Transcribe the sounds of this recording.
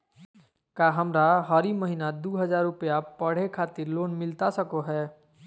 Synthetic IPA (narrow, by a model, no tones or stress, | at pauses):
kaːɦəmɾaɦəɾiməɦinad̪uːɦəzaːɾːʊpjapəɽ̤ekʰaːt̪ɪɾloːnmɪlt̪asəkoɦɛː